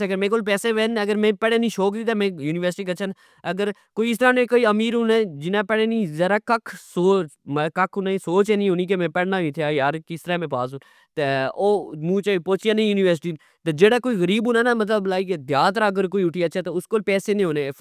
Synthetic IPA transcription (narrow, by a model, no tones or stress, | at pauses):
ɡəɾmɛ̃ːkoːlpɛːseːʋɛːnːəɡəɾmɛ̃ːpɛɽeːnĩːʃoːkd̪iːt̪aːmɛ̃ːjuːniːʋəɾsɪʈiːkət͡ʃʰʃʰən | əɡəɾkoːiɪst̪əɾaːnẽːkoːiːəmiːɾɦʊːnẽːd͡ʒɪnaːpɛɽeːnĩːzəɾaːkəkʰsoːt͡ʃmkəkʰɦʊnaːisoːt͡ʃeːnĩːɦoːniːk̬emɛ̃ːpɛɽnaːʋĩt̪ʰjaːjaːɾkɪst̪əɾãːmɛ̃ːpaːsuːn | t̪eoːmũːt͡ʃaːipoːt͡ʃiãnẽːjuːniːʋəɾsɪ̥ʈiː | t̪eːd͡ʒeːɽaːkoːiːɣəɾiːbɦʊːnaːnaːmət̪̬ləblaːiːked̪jaːt̪ɾaːəɡəɾkoːiːʊʈʰiːətːʃʰaːt̪eʊskoːlpɛːseːnẽːɦoːnẽ